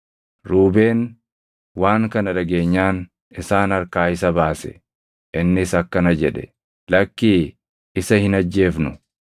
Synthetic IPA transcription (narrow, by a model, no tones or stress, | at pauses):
ɾuːbe̞ːn | waːŋkɐnɐᶑɐɡe̞ːɲːaːn | ɪsaːnɐɾkaːɪsɐbaːsɛ̥̰ | ʔɪnːɪsɐkːɐnɐd͡ʒɛᶑɛ̥̰ | lɐkːiː | ɪsɐhɪnɐd͡ʒːe̞ːfnʊ